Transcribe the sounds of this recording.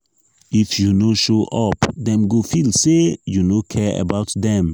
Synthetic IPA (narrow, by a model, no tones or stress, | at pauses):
ɪfjunoːʃoːʔɔpd̪ɛ̃mɡofɪlsejunoːkʰɛə̰baʊt̪d̪ɛ̃m